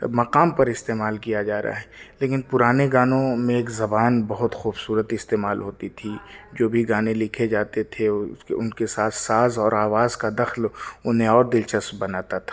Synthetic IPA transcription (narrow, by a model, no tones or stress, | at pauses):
mɐqaːmpɐɾɪst̪eːmaːlkijad͡ʒaːɾ̰a̰ɦɛːleːkɪnpʊɾaːneɡaːnõmẽeːkzɐbaːnbɐɦʊt̪xuːbsuːɾət̪ɪst̪eːmaːlɦoːt̪it̪ʰid͡ʒoːbʱiɡaːnelɪkʰed͡ʒaːt̪et̪ʰeʊnkesaːt̪ʰsaːzɔːɾaːʋaːzkad̪ɐxlʊnɦẽɔːɾd̪ɪlt͡ʃəsbɐnaːt̪at̪ʰḁː